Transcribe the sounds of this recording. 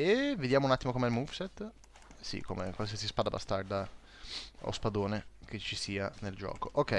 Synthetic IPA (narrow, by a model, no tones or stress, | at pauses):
eved̪jaːmounat̪ːimokomeɛlmufset̪ː | sḭkomekwalsiasispad̪aba̰st̪ard̪a | o̰spad̪oːneket͡ʃːisiːaneld͡ʒɔ̰ːkoʔokːɛj